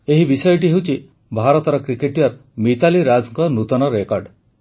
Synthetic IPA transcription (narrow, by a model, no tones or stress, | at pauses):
eɦibisɔjɔʈiɦewt͡ʃʰi | bʱaɾɔt̪ɔɾɔkɾikeʈijaɾmit̪aliɾad͡ʒɔŋkɔnut̪ɔnɔɾekɔɾɖ